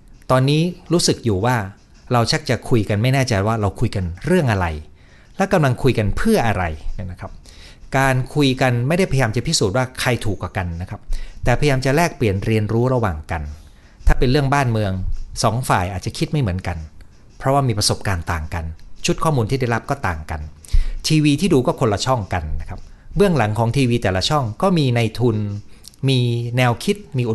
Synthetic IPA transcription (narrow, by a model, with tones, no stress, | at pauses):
t̪ɔː˧nːiː˦˥ɾuː˦˥sɯ˨˩k̚juː˨˩waː˥˩ | ɾa˧wt͡ɕʰa˦˥˩k̚t͡ɕa˨˩kʰu˧jka˧nma˥˩jnɛː˥˩t͡ɕa˧jwaː˥˩ɾa˧wkʰu˧jka˧nɾɯ˥˩əŋʔa˧ɾa˧j | lɛ˦˥ka˧mla˧ŋkʰu˧jka˧npʰɯ˥˩ɐʔa˧ɾa˧jnna˦˥kʰa˦˥p̚kaː˧nkʰu˧jka˧nma˥˩jda˥˩pa˧jaː˧mt͡ɕa˨˩pʰi˦˥suː˨˩t̪̚waː˥˩kʰa˧jt̪ʰuː˨˩kwaː˨˩ka˧nːa˦˥kʰa˦˥p̚t̪ɛː˨˩pʰa˧jaː˧mt͡ɕa˨˩lɛː˥˩k̚pli˨˩ənɾi˧ənɾuː˦˥ɾa˧waː˨˩ŋka˧n | t̪ʰaː˥˩pe˧nɾɯ˥˩əŋbaː˥˩nmɯ˧əŋsɔː˩˦ŋfaː˨˩jʔaː˨˩t̪̚t͡ɕa˨˩kʰi˦˥t̪̚ma˥˩jmɯ˩˦ənka˧n | pʰɾɔ˦˥waː˥˩miː˧pɾa˧so˨˩p̚kaː˧nt̪aː˨˩ŋka˧nt͡ɕʰu˦˥t̪̚kʰɔː˥˩muː˧nt̪ʰiː˥˩da˥˩jɾa˦˥p̚kɔː˥˩t̪aː˨˩ŋka̰˧nt̪ʰiː˧wiː˧t̪ʰiː˥˩duː˧kɔː˥˩kʰo˧nla˧t͡ɕʰɔ˥˩ŋka˧nːa˦˥kʰa˦˥p̚bɯ˥˩əŋla˩˦ŋkʰɔː˩˦ŋt̪ʰiː˧wiː˧t̪ɛː˨˩la˧t͡ɕʰɔ˥˩ŋkɔː˥˩miː˧na˧jt̪ʰu˧nmiː˧nɛː˧wkʰi˦˥t̪̚miː˧ʔ